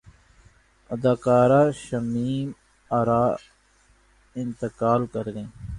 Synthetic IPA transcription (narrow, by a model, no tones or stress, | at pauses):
əd̪aːkaːɾaːʃəmiːm | aɾaː | ɪnt̪əkaːlkəɾɡ̪ẽː